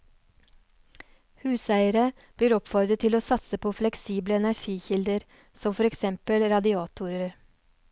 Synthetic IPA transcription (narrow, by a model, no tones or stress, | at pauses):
hʉːsæɪəɾə | b̥liːɾɔpfɔɾd̪ət̪ʰɪloːsɑt̪səpʰoːflɛksiːbləɛnæʂiːçɪld̪əɾ | sɔmfɔɾɛksɛmpəlɾɑd̪ɪɑːt̪ʰuːɾəɾ